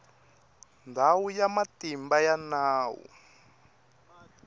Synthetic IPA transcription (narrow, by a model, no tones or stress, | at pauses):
ndʱawujamatimbajanaːwṵ